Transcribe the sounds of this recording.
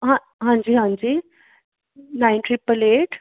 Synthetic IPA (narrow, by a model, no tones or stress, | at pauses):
ɦã | ɦãɲd͡ʑiːɦãɲd͡ʑiː | nainʈɾipəleʈ